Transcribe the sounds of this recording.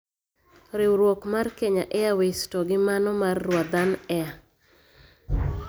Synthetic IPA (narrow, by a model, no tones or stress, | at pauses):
ɾɪwɾwokmarkeɲaʔɛawestoɡɪmanɔmarːwad̪anɛa